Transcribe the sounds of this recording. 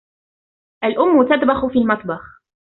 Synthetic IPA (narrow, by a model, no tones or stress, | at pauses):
ʔalʔʊmːʊt̪ad̪bɑxʊfiːlmɑt̪ˤbɑx